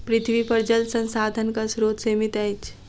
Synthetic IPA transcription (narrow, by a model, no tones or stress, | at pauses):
pɾɪt̪ʰʋipɐɾd͡ʒəlsə̃nsaːd̪ʱənkasɾoːt̪seːmɪt̪ɛt͡ʃ